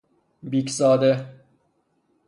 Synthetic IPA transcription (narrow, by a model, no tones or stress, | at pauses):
biːksɒːd̪e